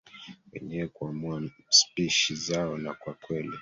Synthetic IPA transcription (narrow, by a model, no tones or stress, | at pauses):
wɛ̰ɲɛwɛkuamuaspiʃizaɔnakwakwɛli